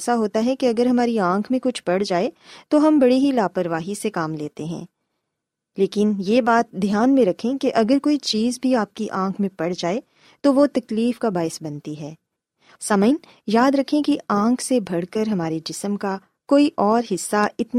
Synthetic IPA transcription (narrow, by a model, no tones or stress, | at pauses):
saɦoːt̪aɦɛkiɐɡəɾɦɐmaːɾiãːkʰmẽkʊt͡ʃʰpɐɽd͡ʒaːet̪oɦɐmbɐɽeɦilaːpəɾʋaːɦisekaːmleːt̪eɦɛ̰̃ː | leːkɪnjeːbaːt̪̚d̪ʱjaːnmẽɾɐkʰẽkeʔɐɡəɾkoːit͡ʃiːzbʱiaːp̚kiʔãːkʰmẽpɐɽd͡ʒaːe | t̪oʋot̪ɐkliːfkabaːɪsbɐnt̪iɦɛː | sɐməɪn | jaːd̪ɾɐkʰẽkiãːkʰsebʱɐɽkəɾɦɐmaːɾed͡ʒɪsəmka | koːiʔɔːɾɦɪsːaɪt̪n